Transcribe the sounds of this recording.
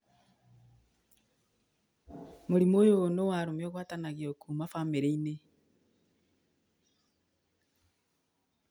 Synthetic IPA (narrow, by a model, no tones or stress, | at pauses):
moɾimoːjonowaɾomjɔɣwaːtanaɣeokʰuːmafameɾeine